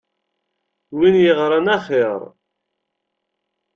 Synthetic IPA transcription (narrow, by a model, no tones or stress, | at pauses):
winjiʁɾˤanaχeɾˤ